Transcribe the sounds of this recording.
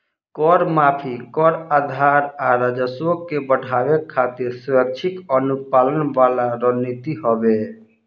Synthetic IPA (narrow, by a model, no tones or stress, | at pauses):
kɔɾmaːpʰikɔɾad̪ʱaɾaɾad͡ʒəsokːebəɽʱaʋekʰːat̪iɾsʊɾək̚t͡ʃʰikənupaːlənʋalaɾənit̪iɦɔbe